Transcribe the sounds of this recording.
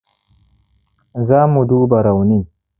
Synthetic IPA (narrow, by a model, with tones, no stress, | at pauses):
zaː˦mu˨d̪u˦bɐ˨ɾa˨wni˦